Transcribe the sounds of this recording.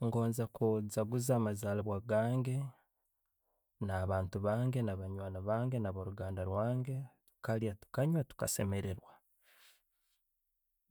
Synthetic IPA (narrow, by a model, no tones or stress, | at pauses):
ŋɡo̞ːnzakuzaɡuzaːmazaːlaβwaɡaːŋɡe̞ | naβaːntuβaːŋɡenaβaɲwaːnaβaːŋɡe̞naβoɾuɡaːndaɾwaːŋɡe̞tu̥kaljatu̥kaɲwatu̥ka̰se̞me̞ɾeɾwa